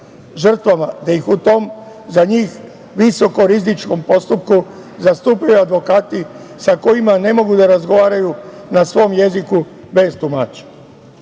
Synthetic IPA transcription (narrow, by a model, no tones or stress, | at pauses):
ʒr̩t̪ʋamad̪ajixut̪o̞m | zaɲiːx | ʋiso̞ko̞ɾizit͡ʃko̞mpo̞st̪up̚ku | zast̪uːpajuad̪ʋo̞kaːt̪i | sako̞jimane̞mo̞ɡud̪aɾazɡo̞ʋaːɾajunasʋo̞mje̞ziku | be̞zt̪umaːt͡ʃe̥